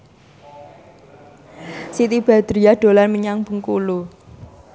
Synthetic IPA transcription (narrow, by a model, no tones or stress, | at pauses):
sit̪ib̥a̤d̪̥ɾiaɖ̪̥o̤lanməɲaŋb̥ə̤ŋkulu